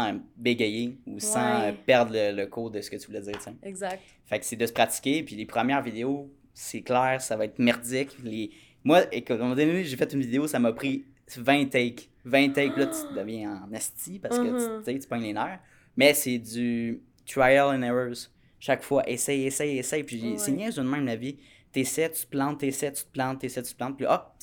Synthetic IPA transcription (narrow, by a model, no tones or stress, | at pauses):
sbeɡʲejeusɑ̃øpɛʁd̪ʁlələkʰod̪əsə̥kət̪yvulɛd͡zzɪːʁt͡seɡzak | faksɛd̪əsə̥pχat͡si̥kʲepɥilepχəmjɛːʁvid̪eo | sɛklɛːʁsavɑɛt̪mɛʁdd͡zɪkle | mwaekʊt̪mɔmɑ̃d̪əneneʒefɛt̪ynvid̪eosaməpχi | vɛ̃t̪ɛjk | vɛ̃t̪ɛjk̚pilʌt̪y̥d̪əvjɛ̃ɑ̃nɛst͡sipaʁsəkət̪et̪y̥pɔɲlenaːʁ | mɛsed͡z̪y | t̪ɹajɛlɛnɛɹə˞z | ʃakfwaʔesɛjesɛjesɛjpiʒisenɛ̃zɔ̃nmɛ̃mlavi | t̪esɛt̪y̥t̪̚plɑ̃t̪ːesɛt̪y̥t̪̚plɑ̃t̪ːesɛjt̪y̥t̪̚plɑ̃t̪̚piʔɔ